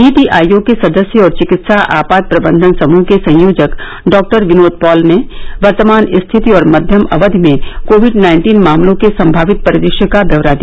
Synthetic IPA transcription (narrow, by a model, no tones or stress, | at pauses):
iːʈiʔaːjõkesɐd̪əsjəɔːɾt͡ʃɪkɪt̪saʔa̰ːpaːd̪̚pɾɐbə̃nd̪ʱənsɐmuːɦkesɐ̃j̃joːd͡ʒək | ɖɔːk̚ʈəɾɡɪnoːt̪̚pɔːlneʋɐɾt̪əmaːnɪst̪ʰɪt̪iɔːɾmɐd̪ʱjəmɐʋəd̪ʱmẽkoːʋɪɖnaːɪ̃ɳʈiːnmaːmlõkesɐ̃mbʱaːʋɪt̪̚pɐɾɪd̪ɪʃjəkabɐʋɾad̪i